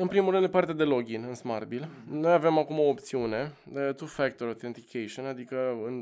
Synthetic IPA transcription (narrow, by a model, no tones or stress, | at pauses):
ɨnpɾimulɾɨnpart̪ed̪e̞lo̞ɡʲinɨnsmarbilno̞jave̞makumo̞ːp̚t̪siune̞d̪et̪ufɛk̚t̪oɾot̪ent̪ikʰeʃionad̪ikəɨn